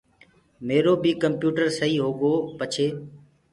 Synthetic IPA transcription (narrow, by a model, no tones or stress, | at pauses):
meːɾoːbʱiːkəmpjuːʈəɾsəɦiːɦoːɠoːpət͡ʃʰeː